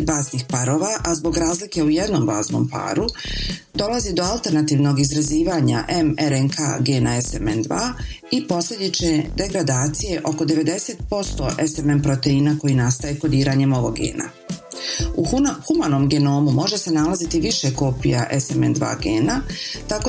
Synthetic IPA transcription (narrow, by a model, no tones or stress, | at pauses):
bazniːxpaɾo̞ːʋaʔazbo̞ɡɾaːzlike̞uje̞d̪no̞ːmba̰ːzno̰ːmpa̰ɾud̪o̞lazid̪o̞alˠt̪e̞ɾnat̪iːʋno̞ːɡizɾaziːʋaːɲa̰ʔe̞meɾenkʰa̰ːɡe̞ːnae̞semend̪ʋaːipo̞slʲe̞d̪it͡ʃned̪e̞ɡɾad̪aːt̪sije̞ʔo̞ko̞d̪e̞ʋe̞d̪e̞se̞t̪̚po̞st̪o̞̰ʔesemempɾot̪e̞inako̞jinast̪ajeko̞d̪iːɾaɲe̞mo̞ʋo̞ɡḛːna̰ | uxumano̞mɡe̞no̞ːmumo̞ʒe̞se̞nalazit̪iʋiʃe̞ko̞pijaʔesemḛnd̪ʋa̰ːɡeːnat̪ako